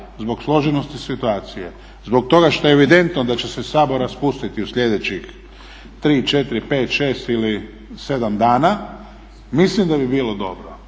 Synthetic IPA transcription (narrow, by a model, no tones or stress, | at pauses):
zbo̞ɡslˠo̞ʒenost̪isit̪uaːt̪sije | zbo̞k̚t̪o̞ɡaʃt̪o̞jeʋid̪e̞nt̪nod̪at͡ɕe̞sesaːbo̞ɾaspust̪it̪iusʎʲe̞d̪et͡ɕix | t̪ɾiːt͡ʃe̞t̪iɾipe̞ːt̪ʃe̞ːst̪ili | se̞d̪amd̪aːna | mislimd̪abibiːlod̪o̞bɾo